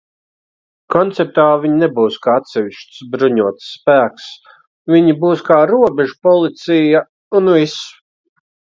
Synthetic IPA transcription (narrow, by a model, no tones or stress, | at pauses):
kɔnt̪sɛp̚t̪aːviɲnɛbuːskaːat̪sɛviʃt̪sbɾuɲuɔt̪sːpæːks | viɲibuːskaːɾuɔbɛʒupɔlˠit̪sija | unvis